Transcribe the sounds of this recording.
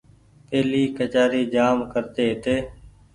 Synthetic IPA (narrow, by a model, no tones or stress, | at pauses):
peːliːkət͡ʃaːɾiːd͡ʒaːmkəɾt̪eːɦt̪eː